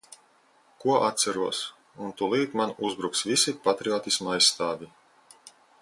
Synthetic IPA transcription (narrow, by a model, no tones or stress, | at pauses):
kuɔʔat̪sæɾuɔs | unt̪ulˠiːt̪manuzbɾuksvisipat̪ɾiɔːt̪ismajsːt̪aːvʲi